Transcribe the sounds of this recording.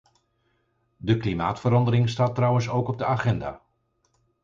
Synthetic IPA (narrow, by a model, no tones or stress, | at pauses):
dəklimaːtfəɾɑndəɾɪŋstaːtrʌwənsowkɔb̚dəaːχɛnda̰ː